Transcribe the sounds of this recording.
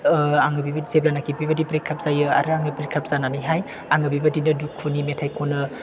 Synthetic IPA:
aŋɯbibɐzeblanakʰibibadipɾikʰap̚z̥ajɯa̰ɾɯaŋɯpɾikʰap̚z̥ananɯjɦaj | aŋɯbibadinɯdukʰːunimetʰajkʰɔnɯ

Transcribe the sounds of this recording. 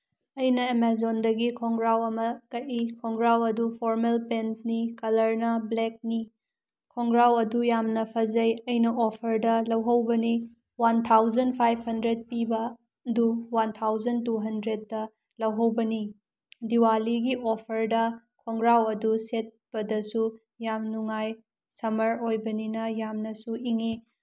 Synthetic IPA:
ɐjnɐemezondɐɡikʰɔŋɡɾawɐmɐkɐtikʰɔŋɡɾawɐdupʰoɾmelpentnikɐlɐɾnɐblek̚ni | kʰɔŋɡɾawɐdujamnɐpʰɐzɐjɐjnɐopʰɐɾdɐlɐwɦɐwbɐni | want̪ʰawzɐnpʰajpʰhɐndɾed̚pibɐ | duwant̪ʰawzɐntuɦɐndɾet̚ːɐ | lɐwɦɐwbɐni | diwaliɡiʔopʰɐɾdɐ | kʰɔŋɡɾawɐduset̚b̥ɐdɐsu | jamnuŋaj | sɐmɐɾojbɐninɐjamnɐsuiŋe

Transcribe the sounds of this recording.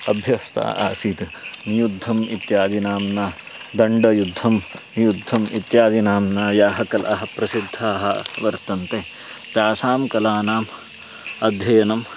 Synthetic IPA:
ɐbʱjɐst̪a̰ːa̰ːsiːt̪njud̪ʱːɐmit̪jaːd̪inaːmnaː | d̪ɐɳɖɐjud̪ʱːɐm | jud̪ʱːɐmit̪jaːd̪inaːmnaːjaːɦɐkɐlʔɐɦɐ̆pɾɐsid̪ʱːɐɦɐʋɐɾt̪ɐnt̪eː | t̪jaːsaːmkɐlaːnaːm | ɐd̪ʱjɐjɐnɐm

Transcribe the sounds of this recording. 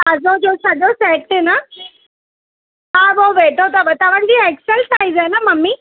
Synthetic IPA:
ɐzod͡ʑosɐʄosɛːkʈenɐ | aboʋeːʈot̪ɐʋɐt̪aʋəɽ̃d͡ʑieːksəlsaːizanɐmɐmːi

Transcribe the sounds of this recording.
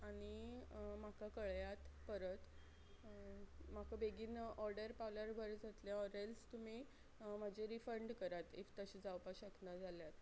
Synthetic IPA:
aɽ̃im̤akakəɭjat̪pəɾət̪ | makəbʱeɡinəʔɔɾɖəɾpawljaɾbʱəɾd͡zat̪ljaɔɾelst̪um̤i | m̤əd͡ʑeɾifəɳɖkəɾat̪ift̪əɕid͡zawpaɕəknad͡zʱaljat̪

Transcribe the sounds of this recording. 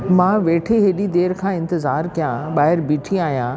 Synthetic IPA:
mãːʋeːʈʰeɦeɗid̪eːɾkʰãːɪ̃nt̪ɪzaːɾkijãɓaːɦɪɾbiːʈʰiaːɦijã

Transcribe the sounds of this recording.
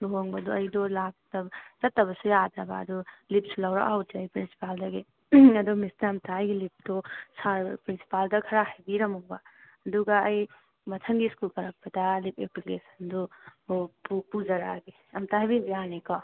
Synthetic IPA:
looŋbɐdoɐjdolak̚tɐbzɐtːɐbɐsujadɾɐba̰ːdulip̚sulɐwɾa̰ʔa̰wtd͡ʒajpɾinsi̥paldɐɡi | ɐdumisnaɐmtʰaːjɡilip̚dosaɾpɾinsi̥paldɐkʰɐɾahɐjbiɾɐmɔba | ɐduɡaːj | mɐtʰɐŋɡiskulpɐɾɐk̚pɐdɐlipʰepilesɐndɔ | pupuzɐɾaɡi | ɐmtʰaɦɐjbibijanikɔ

